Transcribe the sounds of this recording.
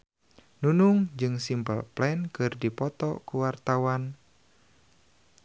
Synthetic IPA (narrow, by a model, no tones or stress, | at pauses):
nunuŋd͡ʒɨŋsimpə̰lplɛnkɨrdipɔt̪ɔ̰kuwart̪awan